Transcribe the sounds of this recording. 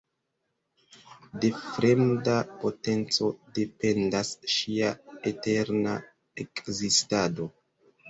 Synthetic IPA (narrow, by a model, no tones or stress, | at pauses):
de̞fɾe̞mdapo̞te̞nt͡so̞de̞pe̞ndasʃiaete̞ɾna | ekzistado̞